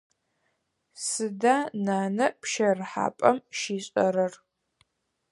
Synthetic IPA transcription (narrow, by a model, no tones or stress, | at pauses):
sɨdaːnaːnɐpʰʃɐrħa̰ːpʼɐmʃiːɕʼɐ̰ɾɐr